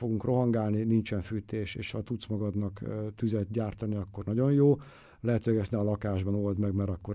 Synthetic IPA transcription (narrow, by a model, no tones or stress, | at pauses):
fo̞ɡuŋkro̞ɦɒŋɡaːlninint͡ʃɛnfyːt̪eːʃeːʃhɒt̪ut̪smɒɡɒd̪nɒkt̪yzɛt̪̚ɟaːrt̪ɒniɒkːo̞rnɒɟo̞njoː | lɛɦɛt̪øɡɛsnɛɒlɒkaːʒbɒno̞ld̪mɛɡmɛɾɒkːo̞